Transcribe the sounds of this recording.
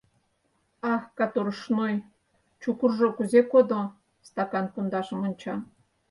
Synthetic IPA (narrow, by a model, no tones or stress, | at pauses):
ɑkɑt̪oɾəʃnoj | t͡ɕukurʒokuzekod̪o | st̪ɑkɑnpund̪ɑʃə̆monʲt͡ɕɑ